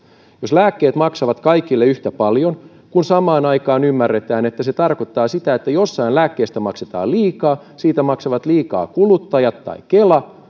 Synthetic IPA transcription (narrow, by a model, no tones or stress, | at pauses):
joslæːkːeːt̪mɑksɑʋɑt̪kɑikilːeyht̪æpɑljon | kunsɑmɑːnɑikɑːnymːærːet̪æːne̞t̪ːæse̞t̪ɑrkot̪ːɑːsit̪æet̪ːæjosːɑinlæːkːeːst̪æmɑkset̪ɑ̰ːliːkɑː | siːt̪æmɑksɑʋɑt̪liːkɑ̰ːkulut̪ːɑjɑt̪ːɑ̰ikelɑ